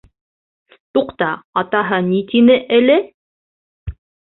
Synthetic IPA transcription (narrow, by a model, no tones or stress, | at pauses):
t̪uqt̪ɑːt̪ɑɦɤnit̪inɘʔɘlɘ